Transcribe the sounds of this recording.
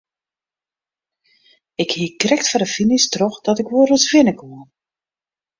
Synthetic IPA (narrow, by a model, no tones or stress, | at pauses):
ɪkhiːkrɛktfardəfinistrɔxdɔtɪkʋoəɾutʋɪnəkoən